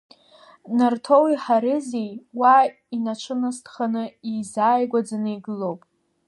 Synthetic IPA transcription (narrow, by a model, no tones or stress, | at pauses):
nartʰo̞wiħaɾɨzejwa | inaʈ͡ʂʷʰɨnɨstʰχanɨizaːjɡʷad͡zanɨjɡɨlowpʼ